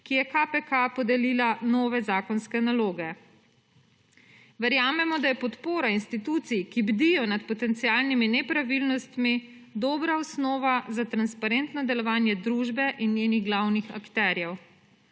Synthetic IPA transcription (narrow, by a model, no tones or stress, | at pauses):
kijɛkapɛkapɔd̪ɛlilanɔːʋɛzaːkɔnskɛnaloːɡɛ | ʋɛɾjaːmɛmɔd̪ajɛpɔt̪poːɾainst̪it̪ut̪sijkibd̪ijɔnat̪pɔt̪ɛnt̪siaːlniminɛpɾaʋilnɔst̪mi | d̪ɔːbɾaɔsnɔːʋazat̪ɾanspaɾent̪nɔd̪ɛlɔʋaːnjɛd̪ɾuːʒbɛʔinjeːniɣɡlawnixa̰kt̪ɛɾjɛw